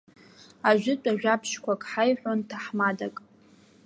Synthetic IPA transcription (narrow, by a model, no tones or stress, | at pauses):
aʒʷᶣɪt͡pʷʼaʒᶣapʰʃkʷʰakʼħajħᶣʷontʰaħmadakʼ